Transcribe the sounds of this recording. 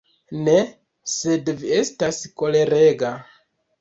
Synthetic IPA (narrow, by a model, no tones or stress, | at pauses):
ne | sedviestaskole̞ɾeɡa